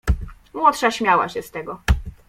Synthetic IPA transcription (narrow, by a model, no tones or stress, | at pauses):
mwɔt̪ʂaɕmʲjawa̰ɕɛst̪ɛɡɔ